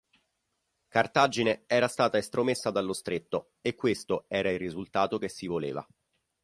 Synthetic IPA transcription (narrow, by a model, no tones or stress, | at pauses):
kart̪ad͡ʒineɛːɾast̪aːt̪aest̪ɾomesːad̪alːost̪ɾet̪ːo | ekːwest̪oɛːɾailrːizult̪aːt̪okesːivoleːva̰